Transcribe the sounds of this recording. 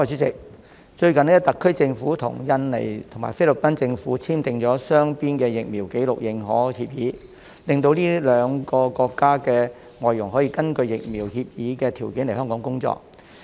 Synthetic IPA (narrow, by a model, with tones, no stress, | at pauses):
ɔː˧jt͡ʃy˨˥t͡sɪ˨k̚ | t͡ʃɵ˧ɥkɐ˨nlt̪ɐ˨kʰːɵ˥ɥt͡sɪ˧ŋfuː˨˥t̪ʰʊ̰˨˩ŋjɐ˧nlḛ˨˩jt̪ʰŋma̰ː˨˩fe˥jlɵ˨p̚pɐ˥nt͡sɪ˧ŋfuː˨˥t͡sʰiː˥mt̪ɪ˨˧ŋt͡sɔː˨˥sœː˥ŋpiː˥nkɛː˧jɪ˨k̚mi˨˩wke˨˥jlʊ˨k̚jɪ˨ŋɦɔː˨˥hi˧p̚jiː˨˥ | lɪ˨ŋt̪o˧wliː˥lœː˨˧˥ŋkɔː˧kɔː˧kːaː˥kɛː˧ | ŋɔː˨jʊ˨˩ŋɦɔː˨˥jiː˧kɐ˥nkɵ˧ɥjɪ˨k̚miː˨˩whiː˧p̚jiː˨˥kɛː˧t̪ʰiː˨˩wki˨˥ŋle˨˩hœ˥ŋkɔː˨˥ŋkʊ˥ŋt͡sɔ̰ː˧k̚